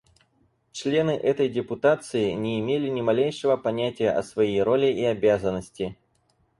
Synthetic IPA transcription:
t͡ɕlʲe̞nɨʔɛt̪əjdʲɪpʊt̪at̪sɨɪnʲɪːmʲelʲɪnʲɪmɐlʲejʂəvəpɐnʲætʲɪjəʔɐ̰svɐjejɾo̞lʲɪʔiɐbʲazənːəsʲtʲɪ

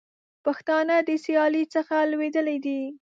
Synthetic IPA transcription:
paxt̪ɑnəd̪əsijɑlit͡səxalwed̪əlajd̪i

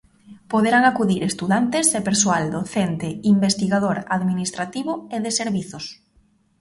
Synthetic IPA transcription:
poðeɾaŋakuðiɾest̪uðant̪ɪsepeɾsoald̪oθent̪ɪimbest̪iɣaðoɾaðminist̪ɾat̪iβʊeðeseɾβiθʊs

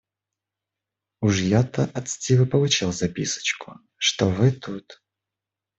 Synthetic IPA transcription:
uʂjat̪əʔɐt̪sʲtʲivɨpəlˠʊt͡ɕilˠzɐpʲisə̥t͡ɕkʊ | ʂt̪ovɨt̪ut̪

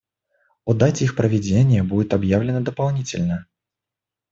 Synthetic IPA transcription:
ud̪atʲixpɾəvʲɪd͡zʲenʲɪjəbudʲɪt̪abjavlʲɪnəd̪əpalˠnʲit͡sʲɪ̰lʲnə

